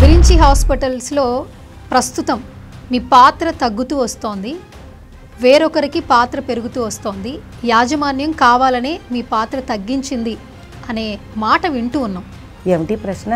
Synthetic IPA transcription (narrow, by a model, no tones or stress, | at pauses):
ʋiɾiɲt͡ʃiɦaːspiʈɐlslo̞ː | pɾɐst̪ut̪ɐmː | iːpaːt̪ɾɐt̪ɐɡːut̪uːʋɐst̪o̞ːnd̪i | ʋe̞ːɾɔkɐɾikipaːt̪ɾɐpe̞ɾuɡut̪uːʋɐst̪o̞ːnd̪i | jaːd͡ʒɐmaːnjɐmkaːʋaːlɐneːmiːpaːt̪ɾɐt̪ɐɡːiɲt͡ʃind̪i | ɐne̞ːmaːʈɐʋiɳʈuːnːɐm | eːmiʈiːpɾɐsnɐ